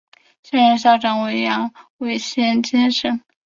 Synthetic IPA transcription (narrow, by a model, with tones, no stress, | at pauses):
ɕɛ˥˧nɻə˧nɕ̬jɑ˥˩ʊʈ͡ʂɑ˧˩ŋwe˧˥ɪjɑ˧˥ŋwe˧˥ɪɕjɛ˥nt͡ɕɛ˥nʂə˥n